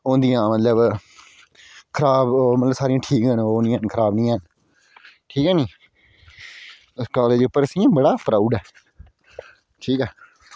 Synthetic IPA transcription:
õːnd̪ijãːmət̪ləb | kʰəɾaːbmət̪ləbsaːɾɪĩjãːʈʰiːkə̃noːnd̪ijãːnkʰəɾaːbnĩːãːn | ʈʰiːkɦɛːnĩː | ʊskaːleːd͡ʒeʊpːəɾəsĩːãbəɽaːpɾaːʊɖɛː | ʈʰiːkɛː

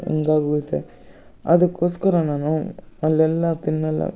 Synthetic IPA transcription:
ɛ̰ŋɡaːɣɐt̪ːḛ | ɐðɯkːoːskɐɾɐnaːnũɐlːɛlːat̪ɪnːɐlːa̰

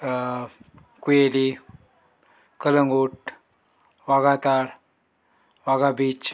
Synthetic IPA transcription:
kujeli | kələŋɡuʈ | ʋaɡat̪aɾ | ʋaɡabiːt͡ɕ

